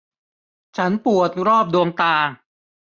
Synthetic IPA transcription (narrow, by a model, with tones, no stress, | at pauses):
t͡ɕʰa˦˥npu˨˩ət̪̚ɾɔː˥˩p̚du˧əŋt̪aː˧